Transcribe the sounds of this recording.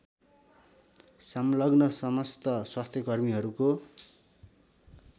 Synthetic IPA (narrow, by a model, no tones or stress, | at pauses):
sʌmlʌɡnʌsʌmʌst̪ʌswast̪ʰjʌkʌrmiɦʌɾuko